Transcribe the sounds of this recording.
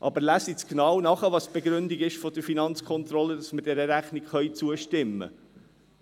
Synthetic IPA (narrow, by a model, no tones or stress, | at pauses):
ʔɑbəɾlæsit͡sknɑwnɑχəʋɑsb̥eɡɾʉnd̪iɡɪʃfɔd̥əɾfinɑnt͡skʰɔnt̪ɾɔlədɑsməd̥ɛɾəɾæχnikχœɥt͡suəʃtɪmːə̰